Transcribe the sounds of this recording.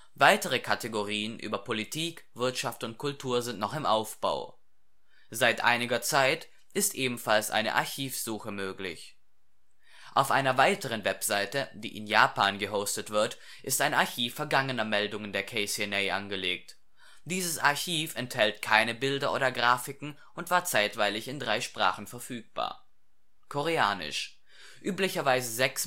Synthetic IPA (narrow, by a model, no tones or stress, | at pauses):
vaɪtəʁ̞əkʰateɡoʁiːənʔy̰ːbɐpʰolitʰiːkv̥ɪɐtʃaftʊntkʰʊltʰuːɐzɪntnɔχɪmʔaʊfb̥a̰ʊ | zaɪtʔa̰ɪnɪɡɐt͡saɪt | ʔɪstʔeːbm̩falsʔa̰ɪnə̰ʔa̰ɐçiːfz̥uːxəmøːklɪ̰ç | ʔaʊfʔaɪnɐvaɪtəʁ̞ənvɛpz̥aɪtəd̥ḭːʔɪ̰njaːpaːnɡəɦoʊstətv̥ɪɐt | ʔɪstaɪnaɐçiːfːɛɐɡaŋənɐmɛldʊŋəndeːɐkʰɛɪsiɛnɛɪʔa̰nɡəleːk̚t | d̥iːzəsaɐçiːfɛnthɛltkʰaɪnəbɪldɐʔo̰ːdɐɡʁaːfɪkŋ̩ | ʔʊntv̥aːɐt͡saɪtv̥aɪlɪçɪndʁaɪʃpʁ̥a̰ːχn̩fɛɐfyːk̚b̥a̰ːɐ | kʰɔʁeaːnɪ̰ʃ | ʔyːplɪçɐvaɪzəzɛks